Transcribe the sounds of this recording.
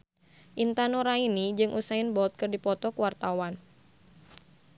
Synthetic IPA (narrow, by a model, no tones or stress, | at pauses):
ʔint̪anoɾainid͡ʒɨŋʔusaɪnbɔt̪̚kɨrdipɔt̪ɔkəwart̪awan